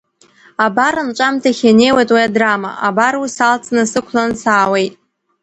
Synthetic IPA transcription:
abaɾanʈ͡ʂʷʼamtʰaχʲane̞jwajtʼwajadrama̰ʔabarusalt͡sʰnɨsɨkʷʰlansaːwe̞jtʼ

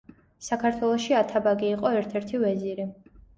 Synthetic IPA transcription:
sakʰaɾt̪ʰwɛlˠɔʃiat̪ʰabaɡiːqʼɔɛɾt̪ʰɛɾt̪ʰivɛziɾi

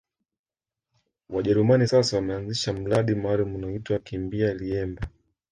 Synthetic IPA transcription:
waʄɛɾumanisasawamɛanziʃam̩laɗimaaːlumunaitwaakimbialiɛmba

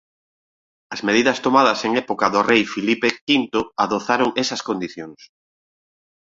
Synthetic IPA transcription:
ɐzmeð̞iðɐst̪omaðɐseŋɛpokɐðʊrejfilipekint̪ʊaðoθaɾoŋesɐskond̪iθjoŋs

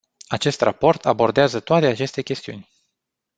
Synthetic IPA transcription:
at͡ʃe̞st̪ra̰po̞rt̪ʰabo̞rd̪eazət̪oat̪eat͡ʃe̞st̪e̞kʲe̞st̪iṵnʲ

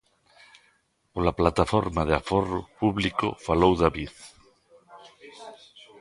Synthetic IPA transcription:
polaplat̪afoɾmaðeaforopuβliko̰falowðaβið

